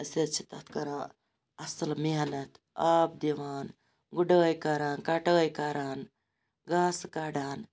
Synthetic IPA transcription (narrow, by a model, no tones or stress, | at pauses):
ɐset͡ʃʰit̪ɐt̪ʰkɐɾa | ɐsɐlmeɦɐnɐt̪ʰ | aːb̚d̪iʋaːn | ɡuɖəːjkaːɾaːnkaːʈəːjkaːɾaːn | ɡaːskaːɖaːn